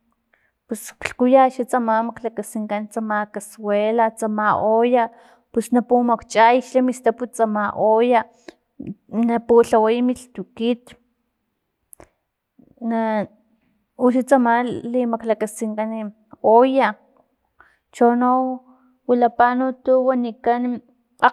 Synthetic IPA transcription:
peskɬkujaʃat͡samamaklakasiŋkant͡samakaswelat͡samaʔoja | pusnapumakt͡ʃʼajʃamist̪aput͡samaʔoja | napuɬawajmiɬt̪ukit̪ | na | uʃat͡samalimaklakasiŋkani | oja | t͡ʃono | wilapanut̪uwanikan | a

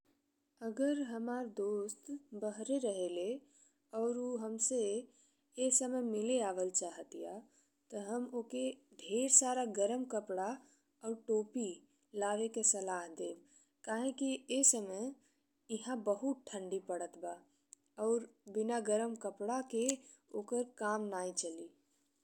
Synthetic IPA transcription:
əɡəɾɦəmaːɾd̪oːst̪bəɦɾeɾəɦele | ɔːɾoɦəmse | eːsəməjmɪleaːʋəlt͡ʃaːɦət̪ija | t̪ɔɦəmokeɖʱeːɾsaːɾaɡəɾəmkəpɽa | ɔːɾʈoːpi | laːʋekesəlaːɦd̪eːb | kaːɦẽkiesəməj | ɪɦãbəɦut̪̚ʈʰə̃ɳɖipəɽət̪ba | ɔːɾbɪnaɡəɾəmkəpɽake | oːkəɾkaːmnaːit͡ʃəliː

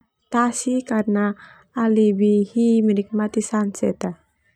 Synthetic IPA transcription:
t̪asikaɾnaː | libihiminik̚mat̪isansɛt̪a

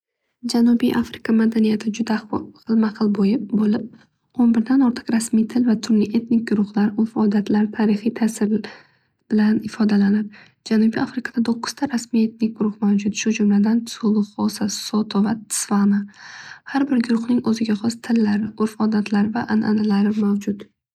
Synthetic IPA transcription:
d͡ʒanʊbijʔa̰fɾɪkʰamad̪anijat̪ʰɪd͡ʒʊd̪aqɨlˠmaqʰɨlˠbojɪp̚bolɪp̚ | onbɪɾd̪anɒɾt̪ʰɨ̥qɾasmijt̪ʰɪlvat̪ʰʊɾlɪʔe̞t̪nɪk̚ʲɡʊɾʊχlaɾʊɾfɒd̪at̪ʰlaɾt̪ʰaɾɪχijt̪ʰasɪɾ | b̥ɪlanɪfɒd̪alanɪp̚ | d͡ʒanubiafɾɪkʰad̪ad̪ʰoqʰːʊ̥zt̪ʰaɾasmije̞t̪̚nɪk̚ʲɡʊɾʊhmawd͡ʒʊt̪ʃʊd͡ʒʊmlad̪ansolˠʊχɒsasɒt̪ʰovat̪ʰɪ̥svanahaɾbɪɾɡʊɾʊhnɪŋɵzɪɡʲaχɒst̪ʰɪlːaɾɪʔʊɾfɒd̪at̪ʰlaɾɪvaʔanʔa̰nalaɾɪmawd͡ʒʊt̪

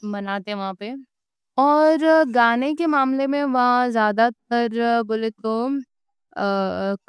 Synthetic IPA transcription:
mɐnaːt̪eɦɛ̃ʋɐɦãpe | ɔːɾɡaːnekemaːmlemẽʋɐɦãzjaːd̪at̪̚əɾbʊlet̪o | k

